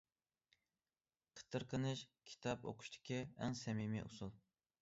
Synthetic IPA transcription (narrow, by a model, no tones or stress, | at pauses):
qʰə̥t̪ʰɨɾqʰənɨʃkʲʰi̥t̪ʰɑpo̰qʰʊ̥ʃt̪ʰɪ̥kʲʰiæ̰ŋsɛmimḭʔusulˠ